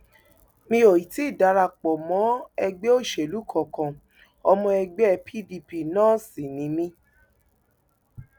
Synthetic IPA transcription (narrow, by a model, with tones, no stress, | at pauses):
mĩ˧˦o˨ji˨ti˦i˦˨da˨˦ɾa˧˨k͡pɔ˨mɔ̃˨˦ɛ˧ɡ͡be˦o˦˨ʃe˨lu˨˦kʰɔ˨kã˨ | ɔ˧mɔ̃˧ɛ˧ɡ͡be˦ɛ˦˧pʰi˦˨di˧˨pi˨nãː˦si˨nĩ˨˦mĩ˦